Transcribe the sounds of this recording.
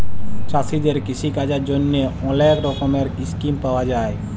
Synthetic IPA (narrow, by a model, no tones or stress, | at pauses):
t͡ʃasid̪eɾkisikad͡ʒad͡ʒonːeɔ̃leɾɾokomeɾɪskimpəʋad͡ʒaːe